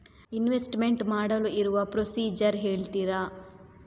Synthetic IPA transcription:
inʋesʈme̞ɳʈmaːɽɐluiɾuʋɐpɾosiːd͡ʒɐɾɦeːɭt̪iɾa

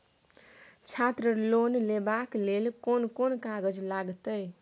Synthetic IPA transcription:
t͡ʃʰat̪ɾəlonlebaklelkonkonkaɡəd͡ʒlaɡt̪əj

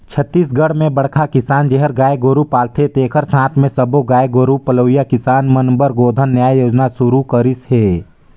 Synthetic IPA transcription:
t͡ʃʰət̪ːiːs̬ɡəɽmẽbəɽ̤kʰakɪsaːnd͡ʒeɦəɾɡaːeɡoːɾupaːlt̪ʰet̪eːkʰəɾsãːt̪ʰmẽsəboɡaːjeɡoːɾupəloːijakɪsaːnmənbəɾɡoːd̪ʱənːjaːjjoːd͡ʒnasʊɾukəɾɪsɦeː

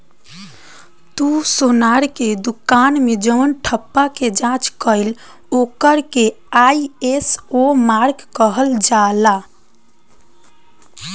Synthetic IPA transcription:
t̪usonaɾked̪ukanmed͡ʒənʈʰəpːaked͡ʒãt͡ʃkəɪl | okəɾke | ajesomaɾɡkəɦəld͡ʒala

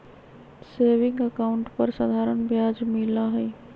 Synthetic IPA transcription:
seːʋɪ̃ŋɡəkaːʊɳʈpəɾsad̪ʱaːɾənbjaːd͡ʒmɪlaɦɛː

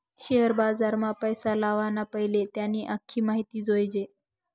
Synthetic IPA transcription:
ɕeɦəɾbad͡zaɾmapəjsalaʋanapəɦilet̪janiːʔakʰiːmaɦit̪iːd͡zojd͡ʑe

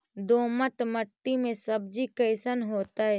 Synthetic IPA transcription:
d̪oːməʈməʈːimẽsəb̚d͡ʒikəɪsənɦoːt̪aɦɛː

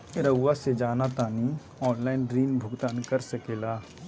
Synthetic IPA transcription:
ɾəɡʋased͡ʒaːnat̪aːni | ɔːnlaːɪnɾiːnbʱʊɡt̪aːnkəɾsəkeːlaː

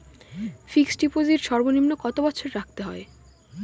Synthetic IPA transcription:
fiksɖipoziɾʃɔɾbonimnokɔt̪obɔtːɕʰoɾɾak̚ʰt̪eɦɔe

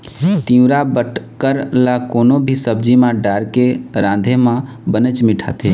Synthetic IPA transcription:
t̪ĩɾabəʈkəɾlakoːnobʱisəbd͡ʒimãɖaːɾkeɾãːnd̪ʱemã | bənət͡ʃmɪʈʰa̰ːt̪ʰeː

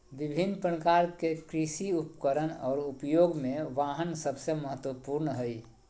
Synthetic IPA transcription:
ʋɪbʱinːpəkaɾkekɾisiupkəɾənɔːɾupjoːɡmẽʋaːɦənsəbseməɦət̪wəpuɾnɦəi

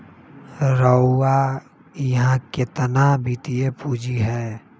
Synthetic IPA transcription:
ɾəʊwa | jɦãket̪ənabʱit̪ijepuːd͡ʒiɦɛː

